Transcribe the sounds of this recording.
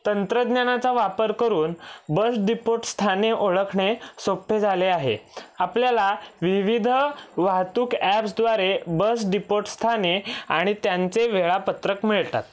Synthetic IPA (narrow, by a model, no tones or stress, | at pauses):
t̪ənt̪ɾəd̪njanat͡saʋapəɾkəɾuːnbəsɖipoʈst̪ʰaneʔoɭəkʰɳesopʰːed͡zʱaleaɦḛapljalaʋiʋid̪ʱʋaɦt̪uːkɛpsd̪ʋaɾebəs̬ɖipoʈst̪ʰaneaɽ̃it̪jant͡seʋeɭapət̪ɾəkmiɭt̪a̰t̪̚